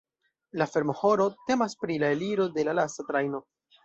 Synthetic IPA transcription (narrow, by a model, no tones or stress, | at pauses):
lafe̞ɾmoho̞ɾo̞te̞maspɾilaeliɾo̞de̞lalastatɾajno̞